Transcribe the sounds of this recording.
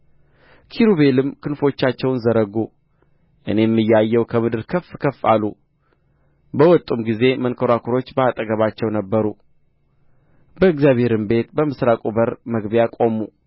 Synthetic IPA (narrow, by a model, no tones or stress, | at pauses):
kʰiɾuβe̞lɨmkʰɨnfo̞t͡ʃːat͡ʃːɛwnzəɾəɡu | ʔɨ̰ne̞mːɨjːajːɛwkʰəmɨd̪ɨɾkʰəfkʰəfːa̰lːu | bəwɔt̪ʼːumɡize̞mənkʰəɾakʰuɾo̞t͡ʃːbəat̪ʼəɡəβat͡ʃːɛwnəbːəɾu | bəɨɡzjaβhe̞ɾɨmbe̞t̪bəmɨsɾakʼubəɾməɡbjakʼo̞mu